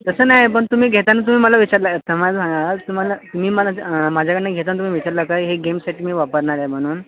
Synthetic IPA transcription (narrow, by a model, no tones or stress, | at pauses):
t̪əsəːnajp̬əɳt̪um̤iːɡʱet̪anət̪̬um̤iːməlaʋit͡ɕaɾləet̪ʰəmad͡zmaaat̪um̤alat̪um̤iːməamad͡ʑʱakəɳnaɡʱet̪anət̪um̤iːʋit͡ɕaɾləkajɦeɡemsaʈʰimiːʋapəɾɳaɾjam̤əɽ̃uːn